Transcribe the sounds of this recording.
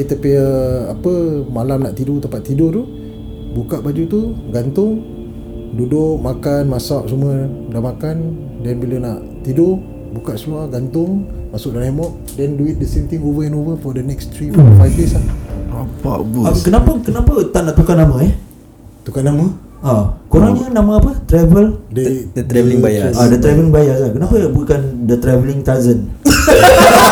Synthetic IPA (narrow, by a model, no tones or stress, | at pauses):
it̪əpiəapəmalamnaʔt̪idʊt̪əpaʔt̪idʊt̪u | bukaʔbad͡ʒut̪uɡant̪ʊŋ | dudʊʔmakanmasaʔsumədamakan | dɛnbilənaʔ | t̪idʊ | bukaʔsəluahɡant̪ʊŋmasʊʔ̚dalɦemɔʔ | dɛnduit̪̚dəsemt̪ĩŋovəɛ̃novəfɔdənɛkst̪ɾiɔfajvdesaapa̰bakənapəkənapət̪aʔnaʔt̪ukanːamãɛ | t̪ukanamə | akoɾanɲənamãapət̪ɾɛvəlddət̪ɾɛvəliŋbajaadət̪ɾavəliŋbajakankənapəbuikandət̪ɾɛvəliŋt̪azən